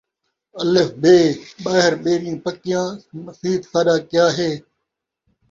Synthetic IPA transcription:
əlefbʱeːɓaːɦɪɾɓeːɾɪjĩːpəkɪjãːməsiːd̪saːɗaːkɪjaːɦeː

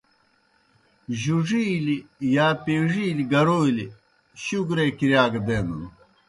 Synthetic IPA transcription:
ʑuʐiːlijaːpeːʐiːliɡɐɾoːili | ɕuɡɾekiɾjaːɡd̪eːnunu

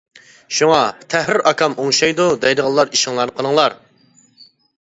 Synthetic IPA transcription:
ʃuŋɑt̪ʰæhɾɪɾɑkʰɑmoŋʃɑjd̪ud̪ɛjd̪əʁɑlˠːɑɾiʃɪŋlˠɑnəqʰənˠəŋlˠɑɾ

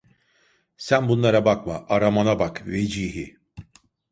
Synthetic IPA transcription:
sænbunlˠaɾabakmaʔaɾamanabakved͡ʒiːɦi

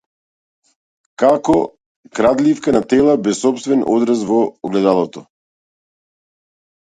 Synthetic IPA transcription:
kakɔ | kɾad̪lifkanat̪ɛlˠabɛsːɔpst̪vɛnɔ̰d̪ɾas̬vɔɔɡlɛd̪alˠɔt̪ɔ

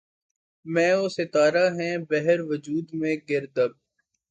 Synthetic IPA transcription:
mɛ̃ːosɪt̪aːɾaɦɛ̃ːbɛɦəɾʋəd͡ʒuːd̪mẽɡɪɾd̪əb̚

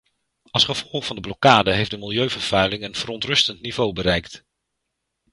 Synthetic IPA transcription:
ɑlˠsχəv̥ɔlˠχvɑndəblɔkaːdəɦejfdəmɪlˠjøɥvəɹv̥œɥlɪŋənv̥ərɔntrɵstəntnivowbəɾɛjkt

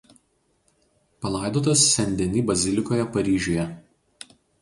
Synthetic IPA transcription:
pɐlˠɑˑɪd̪oːt̪̬ɐsːʲɛnʲd̪ʲɛnʲiːbɐzʲɪlʲɪkoːjɛpɐɾʲiːʒʲujɛ

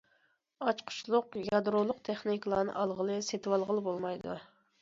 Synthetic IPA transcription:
ɑt͡ʃqʰʊ̥ʃlˠʊqjɑd̪ɾolˠʊqt̪ʰeχniklˠɑːnɨ̰ʔɑlˠʁəlˠɨset̪wɑlˠʁəlˠɨbolˠmɑjd̪ṵ

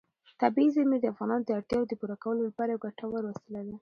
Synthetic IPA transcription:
t̪abiizamid̪əafɣɑnɑnod̪əaɽt̪jɑwod̪əpuɾakawəlolapɑɾajawɡaʈawəɾwəst̪əlawi

